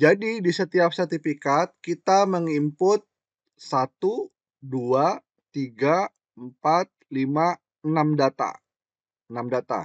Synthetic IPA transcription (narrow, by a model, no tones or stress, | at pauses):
d͡ʒadidisət̪iap̚sərt̪ifikat̪̚kit̪aməŋimpʊt̪̚ | sat̪u | dua | t̪iɡa | əmpat̪̚lima | ənamdat̪a̰ | ənamdat̪a̰